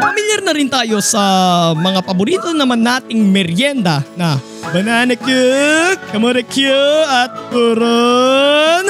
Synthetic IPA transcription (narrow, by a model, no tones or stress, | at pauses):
pɐmiljɐrnɐɾint̪ajosɐmɐŋapɐbuɾit̪onɐmɐnːat̪ɪŋmɛɾjɛnd̪ana | bɐnanɐkjukɐmoɾɛkjuɐt̪̚kuɾo | n